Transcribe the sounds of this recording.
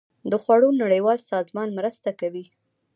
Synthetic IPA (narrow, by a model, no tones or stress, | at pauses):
d̪əxwaɽonaɽəjwɑlsɑzmɑnmɾəst̪akawi